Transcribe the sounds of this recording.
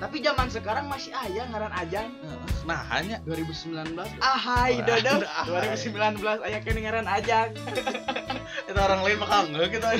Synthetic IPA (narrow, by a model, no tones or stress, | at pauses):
t̪apid͡ʒamansəkaɾaŋmasiajaŋaɾanad͡ʒaŋ | naha̰ɲaduaɾibusəmbilanbəlasaɦaiddɔduaɾibusəmbilanbəlasajakaniŋaɾanad͡ʒaŋ | it̪aoɾaŋlaɪnmakaŋɡaɡit̪u